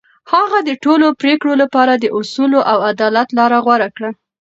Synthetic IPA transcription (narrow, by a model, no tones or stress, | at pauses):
haɣad̪əʈolopɾekɽolapɑɾad̪əʔʊsuloʔawad̪ɑlat̪lɑɾaɣwaɾakɽa